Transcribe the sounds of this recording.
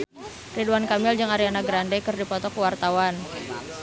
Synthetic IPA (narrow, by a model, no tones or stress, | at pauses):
riduwankamɪld͡ʒɨŋaɾianaɡɾandɛkɨrdipɔt̪ɔkəwart̪awan